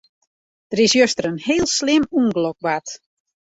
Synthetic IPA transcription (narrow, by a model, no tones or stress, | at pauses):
d̥əɾɪsjøstəɾənheːlˠslɪmunɡlɔk̚bat